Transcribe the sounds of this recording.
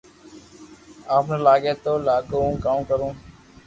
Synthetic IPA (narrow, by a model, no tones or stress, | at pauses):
aːpneːlaːɡeːt̪oːlaːkõkãːkəɾũː